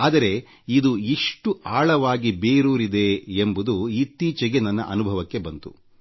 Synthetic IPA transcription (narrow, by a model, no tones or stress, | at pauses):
aːd̪ɐɾe̞ | id̪uiʂʈuʔaːɭɐʋaːɡibeːɾuːɾid̪e̞ːmbud̪uit̪iːt͡ʃɐɡenɐnːɐ̰ʔɐ̰nubʱɐʋɐkːe̞bɐnt̪ṵ